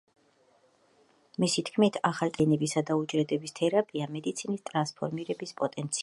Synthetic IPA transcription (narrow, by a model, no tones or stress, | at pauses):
misit̪ʰkʰmit̪ʰaχalt̪ʼɛnɛbisad̪aud͡ʒɾɛd̪ɛbist̪ʰɛɾapʼiamɛd̪it̪sʰinist̪ʼɾanspʰɔ̰ɾmiɾɛbispʼɔt̪ʼɛnt̪sʰi